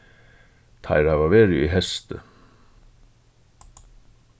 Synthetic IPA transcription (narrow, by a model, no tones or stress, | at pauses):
t̪ʰa̰ɪɾhaʋaʋeːɾɪiɦɛst̪ə̰